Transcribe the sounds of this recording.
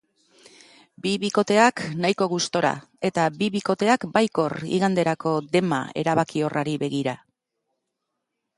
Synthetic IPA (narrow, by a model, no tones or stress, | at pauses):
biβiko̞t̪e̞aknajko̞ɣ̞ust̪o̞ɾa̰ | e̞t̪abiβiko̞t̪e̞akbajko̞rḭɣand̪e̞ɾako̞d̪e̞ma̰e̞ɾaβakio̞rʔaɾiβe̞ɣiɾa